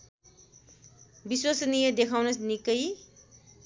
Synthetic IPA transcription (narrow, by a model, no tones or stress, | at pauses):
biswasnijʌd̪ekʰawnʌsnikʌj